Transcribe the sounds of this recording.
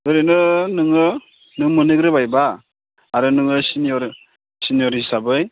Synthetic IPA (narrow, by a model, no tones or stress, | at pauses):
ɯɾɯnɯnɯŋɯ | nɯŋmɯnɯɡɾɯbajbaː | ɾɯnɯŋɯsinijɔɾ | sinijɔɾisabɯj